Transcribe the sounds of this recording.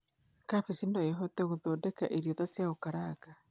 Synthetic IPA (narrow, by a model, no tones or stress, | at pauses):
kafisinɔeɦɔtɛɣoðɔːdɛkaʔeɾjɔðasjaokaɾaːɡa